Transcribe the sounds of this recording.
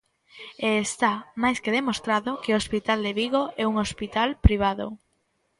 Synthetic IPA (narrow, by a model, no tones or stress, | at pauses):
eːst̪amajskeðemost̪ɾaðʊkeospit̪ald̪eβiɣoʔɛuŋospit̪alpɾiβ̞aðo̰